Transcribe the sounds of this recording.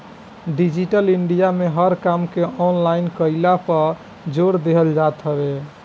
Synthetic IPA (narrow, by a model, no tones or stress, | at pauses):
ɖid͡ʒiʈəliɳɖijameɦəɾkamkeɔnlaɪnkəlapəɾ | d͡ʒoɾd̪eɦəld͡ʒat̪ɦəbe